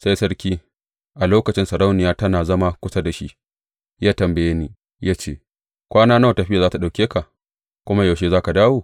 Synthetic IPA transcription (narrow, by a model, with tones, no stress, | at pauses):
sa˦jsɐ˦ɾkʲiː˦ | ʔa˨loː˦kɐ˨t͡ʃɪ˦nsɐ˨ɾa˦wnɪ˨jaː˦tɐ˦naː˨zɐ˦ma˦kʷʊ˦sa˦da˨ʃi˦ʔ | jaː˦tɐ˨mbɐ˨jeː˦ni˦ | jaː˦t͡ʃeː˦˨ | kʷaː˦naː˦na˦˨tɐ˨ɸɪ˦ja˨zaː˦ta˨ɗa˨wkʲeː˦ka˨ | kʷʊ˦ma˦ja˨ʃeː˦zaː˦ka˨daː˦woː˦˨